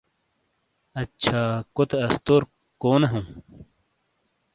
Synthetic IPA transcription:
ɐt͡ɕʰaːkot̪eɐst̪oːɾ | koːneɦũ

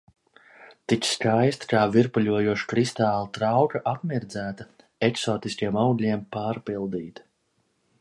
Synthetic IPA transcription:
t̪itsskajst̪kaːviɾpuʎʲuɔjuɔʃkɾist̪aːlˠt̪ɾawkaʔapmiɾd̪zæːt̪a | eksɔːt̪iskʲiɛmawɡlʲiɛmpaːɾpilˠd̪iːt̪

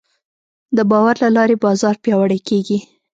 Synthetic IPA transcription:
d̪əbɑwaɾlalɑɾebɑzɑɾpjɑwaɽajkeɡi

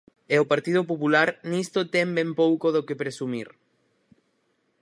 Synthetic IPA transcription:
eopaɾt̪ið̞op̬opulaɾnist̪ot̪ɛmbempowkoðokepɾesumiɾ

